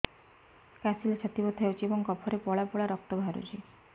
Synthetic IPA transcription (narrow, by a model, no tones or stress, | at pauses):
kasilet͡ʃʰat̪ibɔt̪ʰaot͡ʃʰiebɔŋkɔpʰɔɾepɔɭapɔɭaɾɔk̚ʈɔbʱaɾṵd͡ʒʰi